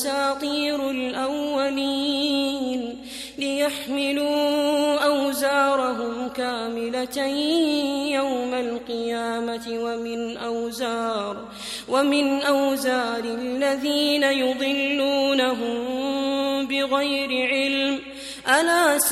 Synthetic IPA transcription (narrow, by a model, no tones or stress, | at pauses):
saːt̪ˤiːɾlʔawːaliːn | lɪjaħmɪluːʔawzaːɾˤɑɦʊmkaːmɪlat̪aj | jawmalqɨjaːmatɪwamɪnʔawzaːɾˤ | wamɪnʔawzaːɾɪlːaðiːnajʊd̪ˤɨlːuːnaɦʊm | bɪɣajɾɪʕɪlm | ʔalaːs